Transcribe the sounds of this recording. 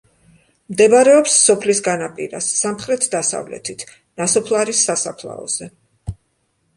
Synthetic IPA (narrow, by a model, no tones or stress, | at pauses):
md̪ɛbaɾɛɔpsːɔpʰlisɡanapʼḭɾa̰sːamχɾɛt̪ʰd̪asa̰vlɛ̰t̪ʰit̪ʰ | nasɔpʰlˠaɾisːasapʰlˠa̰ɔ̰z̥ɛ